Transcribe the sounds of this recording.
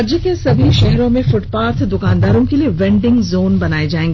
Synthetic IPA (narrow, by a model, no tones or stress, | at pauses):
d͡ʒəkesɐbʱiʃɛɦɾõmẽfʊʈpaːɾt̪ʰd̪ʊkaːnd̪aːɾõkelieʋɛ̃ːɳɖɪ̃ŋɡzoːnbɐnaːed͡ʒaːẽːŋɡ